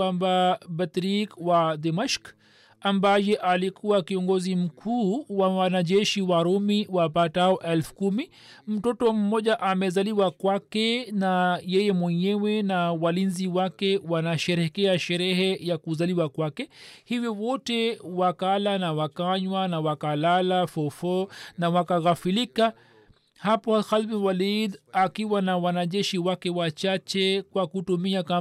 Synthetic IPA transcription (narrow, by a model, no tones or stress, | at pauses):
ambabatɾikwadɛmaʃk | ambajɛʔalikʰuwakiɔŋɡɔzim̩kʰuːwawanaʄɛʃiwaɾumiwapataɔʔɛlfu̥kumi | m̩tɔtɔm̩mɔʄaʔamɛzaliwakwakɛnajɛjɛmwɛɲɛwɛnawalinziwakɛwanaʃɛɾɛkɛaʃɛɾɛɦɛjakuzaliwakwakɛhivjɔwɔtɛwakalanawakaɲwanawakalalafɔfɔnawakaɣafilika | hapɔxalmɛwaliðakiwanawanaʄɛʃiwakɛwat͡ʃat͡ʃɛkwakutumiaka